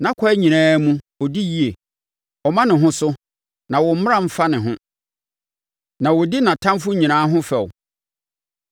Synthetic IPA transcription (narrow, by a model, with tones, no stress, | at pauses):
nã˦kʰɔ˦ɛ˦ɲĩ˨nãː˦mũ˦ | ɔ˨di˦ji˦e˨ | ɔ˨mã˦nɪ̃˨ɦʊ̃˦sʊ˦ | nã˨wɔ˨m̩˦m˦ã˦m̩˦fa˦nɪ̃˨ɦʊ̃˦ | nã˨wɔ˨dɪ˦nã˨tʰã˦mfʊ˦ɲĩ˨nãː˦ɦʊ̃˦fɛ˨w